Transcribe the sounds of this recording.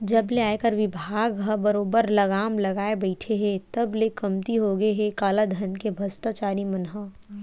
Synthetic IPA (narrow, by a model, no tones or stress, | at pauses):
d͡ʒɐbleaːekɐɾʋɪbʱaːɡɦɐbɐɾoːbəɾlɐɡaːmlɐɡaːebɐɪʈʰeɦet̪ɐblekɐmt̪iɦoɡəeɦekaːlad̪ʱɐnkebʱɐst̪at͡ʃaːɾimɐnɦə